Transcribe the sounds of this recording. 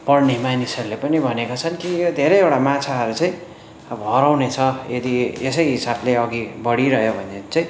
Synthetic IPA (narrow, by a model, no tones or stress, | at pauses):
pʌrnemajnisʌɾulepʌnibʱʌnekat͡sʰʌnkiod̪ʱeɾʌjewɽamat͡sʰaɦʌɾut͡saj̃ | ʌbʌɦʌɾawnet͡sʰʌed̪iesʌjɦisableʌɡibʌɽiɾʌɦjobʱʌnet͡saj̃